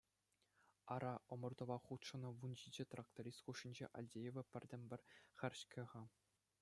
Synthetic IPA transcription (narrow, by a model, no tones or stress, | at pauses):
ɑɾɑʔŏmɤ̆rd̪ŏʋɑχut̪ʂɤ̆nɤ̆ʋund͡ʑid͡ʑĕt̪rak̚t̪oɾʲist̪χuʂːinʲd͡ʑḛʔɑ̰lʲdʲejeʋʲɘ̆pʲɘ̆rʲdʲɘ̆mʲbʲɘ̆rʲχʲɘ̆rʲɕkʰʲɘ̆ʁɑ